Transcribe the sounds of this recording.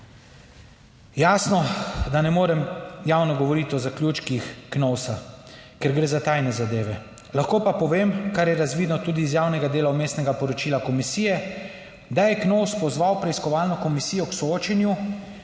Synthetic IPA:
jaːsnɔd̪anɛmoːɾɛmjaːwnɔɡɔʋɔɾit̪ɔzaklʲjuːt͡ʃkixknɔwsakɛɾɡɾeːzat̪ajnɛzad̪eːʋɛ | laxkoːpapɔʋeːmkaɾjɛɾazʋiːd̪nɔt̪uːd̪iːzjaːwnɛɡad̪eːlaumeːst̪nɛɡapɔɾɔt͡ʃiːlakɔmisiːjɛ | d̪ajɛknɔwspɔzʋawpɾɛiskɔʋaːlnɔkɔmisijɔksɔoːt͡ʃɛnju

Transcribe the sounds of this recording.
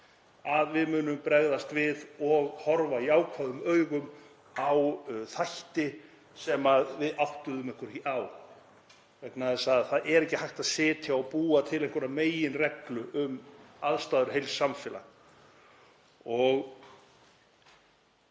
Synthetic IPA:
aðvɪðmʏːnʏmpɾɛɣðast̪vɪðɔɣhɔɾvajaːwkʰvaðʏmœːɥɣʏm | awθajht̪ɪ | sɛmaðvɪðawht̪ʏðʏmɪŋ̥kʏɾ̥hiʔaw | vɛknaɛsaðθaðʔɛɾɛhcɪhajht̪aðsɪːt̪ʰjaawpuːat̪ʰɪlejŋkʏɾameːjɪnrɛklʏʔʏmaðst̪aːðʏɾ̥ɦejlsːamfɪːla̰ | ɔɣ

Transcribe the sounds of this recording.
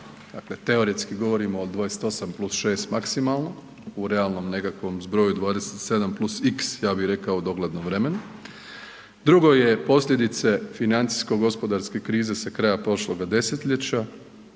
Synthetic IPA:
d̪̥akle̞t̪e̞oɾeskiɡo̞ʋo̞ɾimoːd̪ʋaːjeset̪o̞samplˠusʃe̞ːst̪maksimalˠno | uɾe̞alˠno̞mne̞kakʋo̞mzbɾo̞jud̪ʋaːd̪eset̪se̞d̪amplˠusiksjaːbiɾe̞kaod̪o̞ɡled̪nomʋɾeme̞nu | d̪ɾuɡo̞je̞po̞sʎʲe̞d̪it̪se̞finant̪si̥sko̞ɡo̞spo̞d̪aɾske̞kɾiːze̞sakɾajapɾo̞ʃlˠo̞ɡad̪e̞set̪ʎʲet͡ɕa

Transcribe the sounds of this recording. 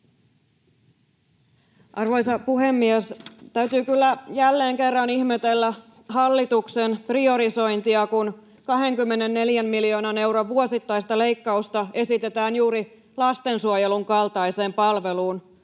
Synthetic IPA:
ʔɑrʋo̞jsɑpuɦe̞mːiæst̪æyt̪yːkylːæjælːe̞ːŋke̞rːɑnihmet̪elːæ | ɦɑlːit̪uksenprio̞ɾiso̞jnt̪iɑkun | kɑɦe̞ŋkymːe̞ne̞nːe̞ljæmmilio̞ːnɑne̞wɾoʋʋuo̞sit̪ːɑist̪ɑle̞jkːɑust̪ɑe̞sit̪e̞t̪æːnjuːɾi | lɑst̪e̞nsuojeluŋkɑlt̪ɑjse̞ːmpɑlʋe̞luːn

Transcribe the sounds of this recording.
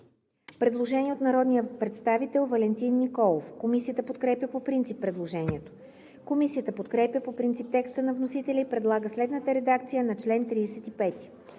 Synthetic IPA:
pɾɛd̪lˠoʒɛnʲiɛot̪nɐɾɔd̪nijəpɾɛt̪st̪avit̪ɛlˠvɐlɛnt̪inːikɔlˠofkomisijət̪əpot̪̚kɾɛpjʲəpopɾint̪sipːɾɛd̪lˠoʒɛniɛt̪o̥ | komisijət̪əpot̪kɾɛpjʲəpopɾint̪sip̚t̪ɛkst̪ənɐvnosit̪ɛlʲəipɾɛd̪lˠaɡəslɛd̪nət̪əɾɛd̪akt̪sijənɐt͡ʃlɛnt̪ɾiːsɛt̪ipɛt̪i̥

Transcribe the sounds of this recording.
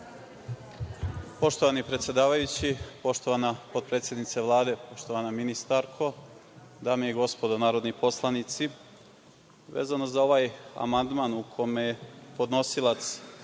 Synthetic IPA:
po̞ʃt̪oʋanipɾet̪sjed̪aːʋajut͡ɕipo̞ʃt̪o̞ʋanapot̪̚pɾe̞ːt̪sje̞d̪nit̪saʋlˠaːd̪e̞po̞ʃt̪oʋanaminist̪aɾkʰo̞ | d̪aːmijeɡo̞spo̞d̪onaːɾo̞d̪nipo̞slˠanit̪si | ʋḛzanozao̞ʋaːja̰mand̪maːnukʰo̞mejepo̞d̪no̞silˠat̪s

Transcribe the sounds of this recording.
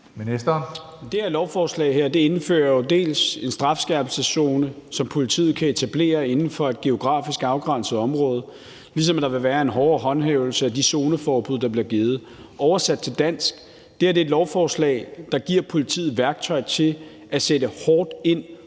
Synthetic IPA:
menesd̥ɐn | d̥e̝æɐlɒʊfɒːslɛ̰ɪɦeɐ̰d̥e̝e̝nfø̰ːɐjo̝d̥e̝̰ːlse̝nsd̥ʁɑ̈fsɡ̥æb̥l̩səso̝ːnəsɒ̽mpʰo̝lit͡sʰḭːð̩ˠkʰæe̝t͡sʰæb̥le̝̰ːɐe̝nn̩fɒ̽e̝d̥̚ɡ̥e̝o̝ɡ̥ʁɑ̰̈ːfisɡ̥ɑ̈ʊɡ̥ʁɑ̈n̰səð̩ˠɒ̽mʁɔ̽ːð̞ˠ | lis̬ɒ̽mæd̥ɑ̈ʋe̝ʋæːɐe̝nɦɒːɦɒ̽nɦeʊl̩səæd̥iso̝ːnəfɒːb̥uðˠd̥ɑ̈b̥liɐɡ̥eːð̞̩ˠ | ʔɒʊɐsæd̥̚t͡sʰe̝ld̥æn̰sɡ̥ | d̥eæɐɾ̥e̝ːd̥lɒʊfɒːslɛ̰ɪd̥ɑ̈ɡ̥iɐ̰pʰo̝lit͡sʰḭːð̩ˠʋæɐɡ̥̚t͡sʰɒ̽ɪt͡sʰe̝l | æsed̥əhɒːd̥e̝n̰

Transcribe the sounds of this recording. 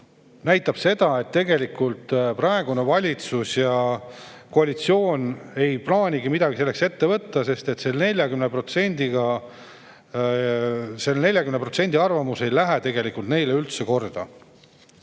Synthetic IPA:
næjt̪ːˑɑb̥se̞d̪̥ɑe̞t̪ːe̞ɡe̞likult̪prɑe̞ɡ̥une̞vɑlʲit̪susjɑ | ko̞ɑlʲit̪sio̞ːne̞jplɑːnʲiɡimid̪ɑɡ̥ise̞lːekse̞t̪ːe̞vɤt̪ːɑse̞st̪e̞t̪se̞lne̞lʲjɑkymnepro̞t̪se̞nʲd̪̥iɡɑ | se̞lːne̞lʲjɑkymnepɾro̞t̪se̞nʲd̪iɑrvɑmuse̞jlæɦet̪e̞ɡe̞likult̪ne̞jleylt̪se̞ko̞rd̪̥ɑ

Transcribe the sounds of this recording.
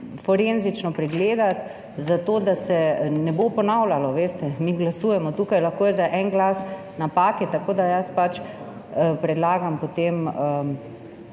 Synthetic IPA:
fɔɾenzit͡ʃnɔpɾɛɡleːd̪at̪ | zat̪oːd̪asɛnɛbopɔnawlʲalɔʋeːst̪ɛmiːɡlasuːjɛmɔt̪uːkajlaxkoːjɛzaʔɛnɡlaːs | napaːkit̪akoːd̪ajaspat͡ʃ | pɾɛd̪laːɡampot̪emə

